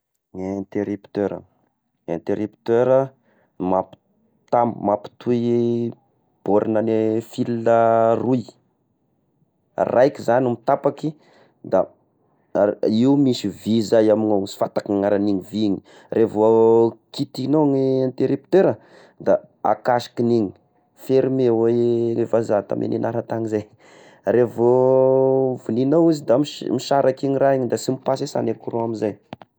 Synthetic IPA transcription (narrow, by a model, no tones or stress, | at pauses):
ŋnt̪eɾipt̪øɾə̰ | ent̪eɾipt̪øɾə | map | t̪ambmapi̥t̪ʰui | b̥oɾʔinanefilnəruj | rajkizanimit̪apaki | d̪a | iumisivizajamiŋoŋisi̥fat̪ḁkiŋaɾaniɲiviɲi̥ | rʔevoakit̪inoŋiant̪eɾept̪eɾə | d̪a | a̰kaʃi̥kiniɲi̥ | feɾimeweevazat̪a̰mʔḛnʔenʔaɾat̪aŋizaj | ɾevo | vuninowuzid̪amimiʃaɾakiŋiɾaiɲid̪asimipasesa̰nekuɾoamizaj